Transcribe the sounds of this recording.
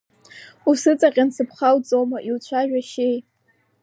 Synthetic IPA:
usɨt͡sʼaqʲʼansɨpʰχawt͡sʼowmaʔilt͡ɕʷʰaʒᶣaʃej

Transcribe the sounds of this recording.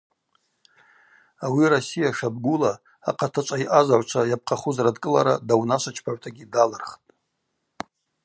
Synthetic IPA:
awirosijaʂab̚ɡʷula̰ː | qʰʼatʰat͡ʃʷʼaiʔazaʕʷt͡ʃʷʰajap̚ʼqʼaχuzradkʼɨla̰ɾadawnaʃʷat͡ʃʰpʰaʕʷtʰaɡʲidalɨrχtʼ

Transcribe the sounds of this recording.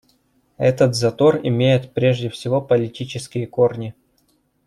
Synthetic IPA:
ɛt̪ət̪zɐt̪o̞rɪ̰mʲejɪt̪pɾʲe̞ʐdʲɪfsʲɪvopəlʲɪtʲit͡ɕɪskʲɪjəko̞rnʲɪ

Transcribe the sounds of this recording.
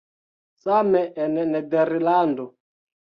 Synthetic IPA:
samɛʔɛnɛnɛdɛɾilandɔ

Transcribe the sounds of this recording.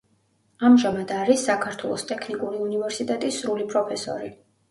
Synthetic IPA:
amʒamad̪aɾisːakʰaɾt̪ʰwɛlˠɔst̪ʼɛkʰnikʼuɾiunivɛɾsit̪ʼɛt̪ʼisɾulipʰʼɾɔpʰɛsɔ̰ɾi

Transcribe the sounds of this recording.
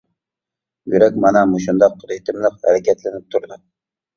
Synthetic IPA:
jyɾɛkʲmɑnɛmuʃund̪ɑqʰːəɾit̪ʰɪmlˠɨqhæ̰ɾɛkʲʰɛt̪lɪnɪp̚t̪ʰuɾd̪u

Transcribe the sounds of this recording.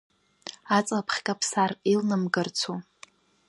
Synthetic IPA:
at͡sʼlapʰχʲkʼapʰsarilnɨmɡɨrt͡sʰu

